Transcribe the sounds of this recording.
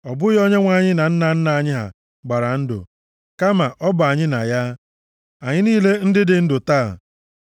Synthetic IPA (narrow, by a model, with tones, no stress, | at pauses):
ɔ˨bʊ˦jɔ˦ɲe˦ŋʷa˨ɲɪ˦na˨n̩˦na˨n̩˦na˨a˨ɲɪ˦ɦa̰˨ | ɡ͡ba˨ɾa˨n̩˦dʊ̰˨ | ka˦ma˨ʔɔ˦bʊ˨a˨ɲɪ˦na̰˨ja˦ | a˨ɲɪ˦niː˦le˦n̩˦dɪ˦dɪ˨n̩˦dʊ˨taː˦˨